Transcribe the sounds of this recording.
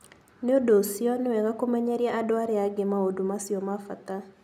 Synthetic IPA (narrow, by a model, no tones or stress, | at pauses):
neodosiɔnewɛɣakomɛɲɛɾiaʔadoaɾeaɡemaodumasiɔmafata